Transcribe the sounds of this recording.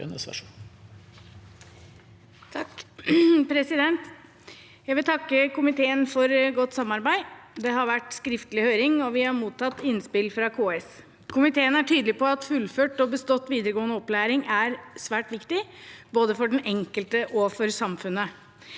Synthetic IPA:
nsɑ̰ʂ | pʰɾɛsɪd̪ɛnt̪ | jæɪʋɪlt̪ʰɑkːəkʊmɪt̪ʰeːənfɔɾɡɔt̪ːsɑmːɑɾbæɪd̪ɛɦɑɾʋæʈskɾɪft̪əlɪhøːɾɪŋɔʋɪhɑɾmuːt̪ʰːɑt̪ːɪnspɪlfɾɑkʰoːɛs | kʰʊmɪt̪ʰeːənæʈʰyːd̪əlɪpɔɑt̪fʉlføːʈɔbəst̪ɔt̪ːʋiːd̪əɾəɡoːnəɔplæːɾɪŋʔæɾsʋæːʈʋɪkt̪ɪboːd̪əfɔɖɛnɛŋkəlt̪əʔɔfɔɾsɑmfʉnːə

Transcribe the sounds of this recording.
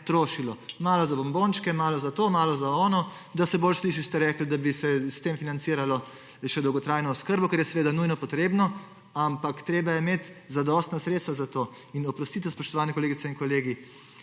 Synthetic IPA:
t̪ɾoːʃilɔmaːlɔzabɔmbont͡ʃkɛmaːlɔzat̪oːmaːlɔzaɔːnɔ | d̪asɛboːlsliːʃist̪ɛɾɛːkl̩d̪abisɛst̪emfinant̪siːɾalɔ | ʃɛd̪ɔwɡɔt̪ɾajnɔɔskəɾbɔkɛɾjɛsɛʋeːd̪anujnɔpɔt̪ɾeːbnɔ | ampakt̪ɾeːbajɛmeːt̪zad̪ɔst̪nasɾet̪st̪ʋazat̪oː | inɔpɾɔst̪iːt̪aspɔʃt̪ɔʋaːnɛkɔleːɡit̪ɛinkɔleːɡi

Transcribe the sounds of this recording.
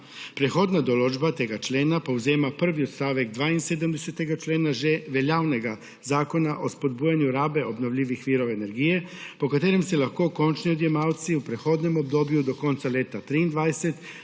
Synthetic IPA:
pɾexo̞d̪nad̪olod͡ʒbat̪eɡat͡ʃleːnapauzeːmapr̩ʋiot̪st̪aːʋekd̪ʋaːinsed̪amd̪eset̪eɡat͡ʃleːnaʒeʋeʎawneɡa | zaːko̞naʔo̞spo̞d̪̚bujeɲuɾaːbe̞o̞bnoʋʎʲiːʋixʋiːɾo̞ʋeːneɾɡije̞po̞kat̪eɾemselaxko̞ko̞nt͡ʃniod̪jemawt̪siupɾexo̞d̪nemo̞b̚d̪o̞ːbjud̪o̞ko̞nt̪saleːt̪at̪ɾiːnd̪ʋaːd̪eset̪

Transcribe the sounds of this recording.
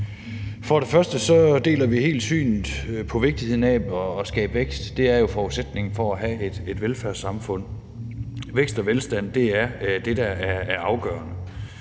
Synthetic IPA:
fɒ̽ɾ̥e̝fɶɐsd̥əsɒ̽d̥e̝̰ːlɐʋihe̝̰ːld̥sy̰ːnð̩ˠpʰɒ̽ʋe̝ɡ̥̚d̥ihe̝ð̰ˠn̩ɛɒːsɡ̥ɛ̰ːb̥ʋeɡ̥sd̥ːe̝æɐjo̝fɒused̥ne̝ŋn̩fɒ̽æɦæed̥e̝d̥ʋelfæɐsɑ̈mfɔ̽n̰ | ʋeɡ̥sd̥ɒ̽ʋelsd̥æn̰d̥e̝æɐd̥e̝d̥ææɐæɐɑ̈ʊɡ̥ɶ̰ːɐnə

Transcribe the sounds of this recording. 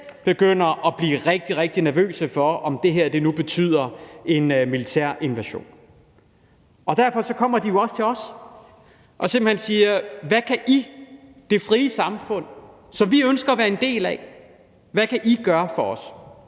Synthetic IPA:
b̥e̝ɡ̥øn̰ɐʔɒ̽b̥liːʁeɡ̥̚d̥iʁeɡ̥̚d̥inæɐʋø̰ːsəfɒ̽ɒ̽md̥e̝ɦæɐ̰d̥e̝nub̥e̝t͡sʰy̰ð̞̰ˠɐe̝nmilit͡sʰæ̰ɐ̰ʔe̝nʋæɕo̝̰ːn | ɒ̽d̥æɐfɒ̽sɒ̽kʰɒ̽m̰ɐd̥ijo̝ɒ̽st͡sʰe̝ɒ̽s | ʔɒ̽semb̥l̩he̝nsiːɐʋækʰæʔi | d̥e̝fʁiːəsɑ̈mfɔ̽n̰ | sɒ̽mʋiønsɡ̥ɐːʋæːɐe̝nd̥e̝̰ːlæ | ʋækʰæʔiɡ̥ɶːɐfɒ̽ɒ̽s

